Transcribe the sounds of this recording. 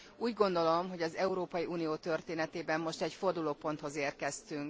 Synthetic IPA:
uːɟɡo̞nd̪o̞lo̞mɦo̞ɟɒzɛuɾoːpɒjiʔuːnijoːt̪ø̞rt̪eːnɛt̪eːbɛmːo̞ʃt̪ɛcfo̞rd̪uloːpo̞nt̪ho̞zeːrkɛst̪yŋk

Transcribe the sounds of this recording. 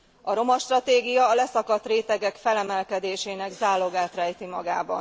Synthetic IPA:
ɒɾo̞mɒʃt̪rɒt̪eːɡijɒːlɛsɒkɒt̪reːt̪ɛɡɛkfɛlɛmɛlkɛd̪eːʃeːnɛɡzaːlːo̞ɡaːt̪rɛjt̪imɒɡa̰ːbɒ̰n

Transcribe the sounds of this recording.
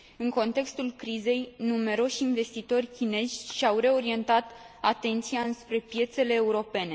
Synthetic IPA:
ɨŋko̞nt̪e̞kst̪ulkɾize̞jnume̞ɾo̞ʃinve̞st̪it̪o̞rʲkʲine̞zʲʃiawre̞o̞ɾie̞nt̪at̪ | at̪e̞nt̪siaɨnspɾe̞pje̞t̪se̞le̞ːuɾo̞pe̞ne

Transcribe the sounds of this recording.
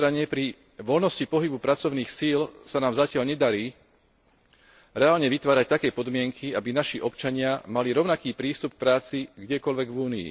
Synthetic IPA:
ɾaɲɛpɾi | ʋɔlnɔscipɔɦibupɾat͡sɔʊniːxsiːlsanaːmzacɪalɲɛd̪aɾiː | ɾɛaːlɲɛʋit̪ʋaːɾac̚t̪akɛːjpɔd̪mɪɛŋkʰiabinaʃiʔɔpt͡ʃaɲɪamaliɾɔʊnakiːpɾiːst̪up̚k̚pɾaːt͡siɡɟɛkɔlʋɛɡʋuːniḭ

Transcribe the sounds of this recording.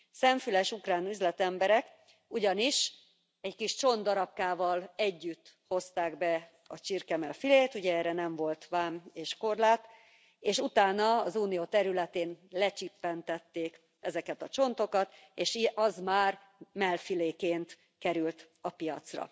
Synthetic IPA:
sɛɱfylɛʃukraːnyzlɛt̪ɛmbɛɾɛk | uɟɒniʃ | ɛɟkiʃt͡ʃo̞nd̪ɒɾɒp̚kaːvɒlɛɟːyt̪ːho̞st̪aːɡbɛ | ɒt͡ʃirkɛmɛlfileːt̪uɟɛɛːrɛnɛɱvo̞lt̪ʋaːmeːʃko̞rlaːt̪ | eːʃut̪aːnɒːzuːnijoːt̪ɛɾylɛt̪eːnlɛt͡ʃipːɛnt̪ɛt̪ːeːk | ɛzɛkɛt̪ɒt͡ʃo̞nt̪o̞kɒt̪ | eːʃʔɒzmaːr | mɛlfileːkeːnt̪ | kɛɾylt̪ | ɒpijɒ̰t̪srɒ̰

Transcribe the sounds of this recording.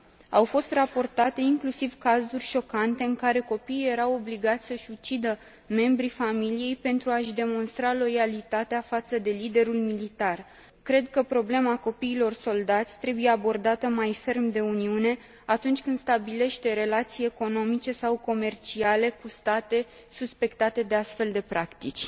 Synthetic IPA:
awfo̞st̪rapo̞rt̪at̪e̞iŋklusivkazurʲʃo̞kant̪e̞ɨŋkaɾe̞ko̞piːje̞ɾawo̞bliɡat̪sʲsəʃʲut͡ʃid̪ə | me̞mbɾifamilije̞jpe̞nt̪ɾuaʃd̪e̞mo̞nst̪ɾalo̞jalit̪at̪eafat̪səd̪e̞lid̪e̞ɾulmilit̪ar | kɾe̞d̪̚kəpɾo̞ble̞mako̞piːlo̞rso̞ld̪at̪sʲt̪ɾe̞buje̞abo̞rd̪at̪əmajfe̞rmd̪e̞uniune̞ | at̪unt͡ʃʲkɨnd̪st̪abile̞ʃt̪e̞ɾe̞lat̪sije̞ko̞no̞mit͡ʃe̞sawko̞me̞rt͡ʃiale̞kust̪at̪e̞ | suspe̞kt̪at̪e̞d̪e̞ast̪fe̞ld̪e̞pɾakt̪it͡ʃʲ

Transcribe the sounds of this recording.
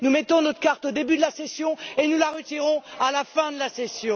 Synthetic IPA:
numɛt̪ɔ̃nɔt̪χkaʁt̪od̪ebyd̪əlasesjɔ̃enulaʁət̪iʁɔ̃alafɛ̃d̪əlasesjɔ̃

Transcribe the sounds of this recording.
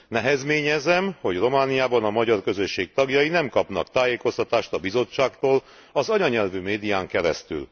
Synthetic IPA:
nɛɦɛzmeːɲɛzɛmho̞ɟro̞maːnijaːbɒnɒmɒɟɒrkøzøʃːeːk̚t̪ɒɡjɒjinɛmkɒpnɒ̰kt̪aːjeːko̞st̪ɒt̪aːʃt̪ɒbizo̞t͡ʃːaːkt̪oːl | ɒzɒɲɒɲɛlvymeːd̪ijaːŋkɛɾɛ̰st̪y̰l

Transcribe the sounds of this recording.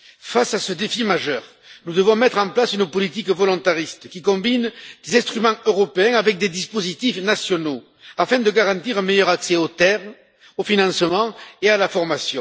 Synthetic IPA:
fasasəd̪efimaʒœʁ | nud̪əvɔ̃mɛt̪χɑ̃plasynəpɔlit̪ikvɔlɔ̃nt̪aʁist̪əkʲikɔ̃mbind̪̥ezɛ̃st̪χymɑ̃øʁɔpeɛ̃avɛk̚d̪ed̪ispozit̪ifnasjɔno | afɛ̃d̪əɡaʁɑ̃nt̪iʁɛ̃mejœʁaksɛot̪ɛʁ | ofinɑ̃səmɑ̃ealafɔʁmasjɔ̃

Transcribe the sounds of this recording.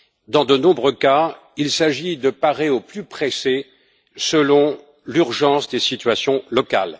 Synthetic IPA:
d̪ɑ̃d̪ənɔ̃bʁəka | ilsaʒid̪əpaʁeoplypχese | səlɔ̃ | lyʁʒɑ̃sd̪esit̪ɥasjɔ̃lɔka̰l

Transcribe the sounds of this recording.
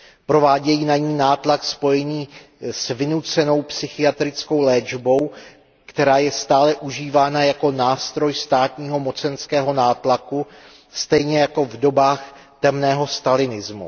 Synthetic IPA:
pɾo̞vaːɟɛjiːnaɲiːnaːt̪lakspo̞jɛɲiː | svɪnut͡sɛno̞wpsɪxɪjat̪ɾɪt͡sko̞wlɛːd͡ʒbo̞w | kt̪ɛɾaːjɛst̪aːlɛʔuʒiːvaːnajako̞naːst̪ɾo̞jst̪aːt̪ɲiːɦo̞mo̞t͡sɛnskɛːɦo̞naːt̪laku | st̪ɛjɲɛjako̞vdo̞baːx | t̪ɛmnɛːɦo̞st̪alɪnɪzmṵ

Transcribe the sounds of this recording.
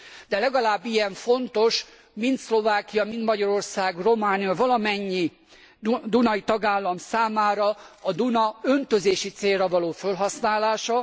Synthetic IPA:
d̪̥ɛlɛɡɒlaːbːijɛɱfo̞nt̪o̞ʃ | mint̪slo̞vaːkijɒmint̪mɒɟɒɾo̞rsaːɡro̞maːnijɒvɒlɒmɛɲːi | d̪unɒjit̪ɒɡaːlːɒmsaːmaːɾɒɒd̪unɒønt̪ø̞zeːʃit̪seːrrɛvɒloːfølɦɒsnaːlaːʃɒ

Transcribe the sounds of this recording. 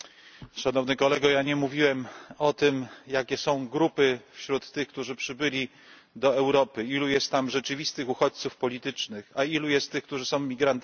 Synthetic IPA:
ʂanɔvnɘkɔlɛɡɔjaɲɛmuvʲiwɛmɔt̪ɘmjakʲɛsɔ̃w̃ɡɾupɘfɕɾut̪ːɘxk̚t̪uʐɘpʂɘbɘlʲi | d̪ɔɛwɾɔpɘilujɛst̪t̪ːamʐɛt͡ʂɘvʲist̪ɘxuxɔt͡ɕt̪sufpɔlʲit̪ɘt͡ʂnɘxailujɛst̪ːɘxkt̪uʐɘsɔ̃w̃mʲiɡɾant̪

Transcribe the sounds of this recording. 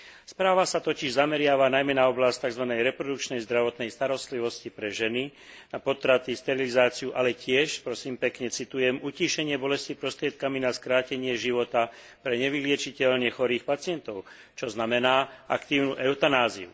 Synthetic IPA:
spɾaːʋasat̪ɔciʒzamɛɾɪaʋanajmɛnaɔblasc̚t̪aɡzʋanɛjɾɛpɾɔd̪uk̚t͡ʃnɛjzd̪ɾaʋɔt̪nɛjst̪aɾɔst̪liʋɔscipɾɛʒɛninapɔt̪ɾat̪ist̪ɛɾilizaːt͡siuʔalɛcɪɛʃpɾɔsiːmpɛkɲɛt͡sit̪ujɛmuciːʃɛɲɪɛbɔlɛscipɾɔst̪ɾɪɛt̪̚kaminaskɾaːcɛɲɪɛʒiʋɔt̪a | pɾɛɲɛʋilɪɛt͡ʃicɛlnɪɛxɔɾiːxpat͡sɪɛnt̪ɔʊ | t͡ʃɔznamɛnaːʔa̰kt̪iːʊnuʔɛʊt̪anaːziṵ

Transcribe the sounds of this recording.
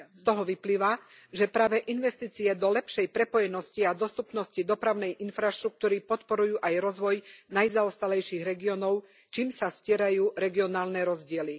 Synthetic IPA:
st̪ɔɦɔʋipliːʋa | ʒɛpɾaːʋɛʔinʋɛst̪iːt͡siɛd̪ɔlɛpʃɛjpɾɛpɔjɛnɔsciad̪ɔst̪upnɔscid̪ɔpɾaʊnɛjʔinfɾaʃt̪ɾuk̚t̪uːɾipɔt̪pɔɾujuːʔajɾɔzʋɔjnajzaɔst̪alɛjʃiɣɾɛɡiɔːnɔʊ | t͡ʃiːmsascɪɛɾajuːɾɛɡiɔnaːlnɛɾɔzɟɪɛli

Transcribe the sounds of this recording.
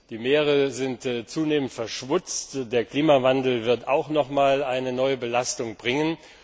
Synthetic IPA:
d̥iːmeːʁ̞əzɪntt͡suːneːməntfɛɐʃv̥ʊt͡std̥eːɐkl̥iːmavandl̩vɪɐtaʊxnɔχmaːlaɪnənɔʏəbəlastʊŋbʁɪŋən

